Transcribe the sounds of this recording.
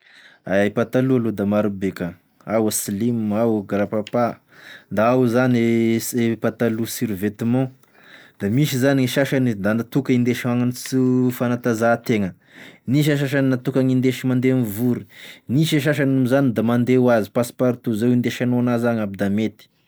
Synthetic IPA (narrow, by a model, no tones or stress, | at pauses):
aapat̪alualod̪amaɾubeka | awaslimawɡɾapapa | nd̪aawzaneepat̪alusiɾvet̪imɑ̃ | d̪amiʃ̬izanieʃaʃanid̪anat̪ukəind̪eʃiaŋanisufanat̪azat̪eŋə | niʃ̬aʃ̬aʃ̬aninat̪ukaŋind̪eʃimãnd̪enivuɾiniʃaʃ̬aʃanumizanid̪amand̪ewazipasi̥paɾt̪uzewind̪eʃanonazaɲabid̪amet̪i̥